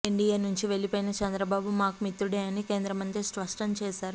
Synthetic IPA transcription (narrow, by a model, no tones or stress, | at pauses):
iɳɖijɐːnuɲt͡ʃiʋe̞lipoːjinɐt͡ʃɐnd̪ɾɐbaːbumaːkumit̪ːɾuɽeːɐnike̞ːnd̪ɾɐmɐnt̪ɾisʋɐʂʈɐmt͡ʃeːsaːɾu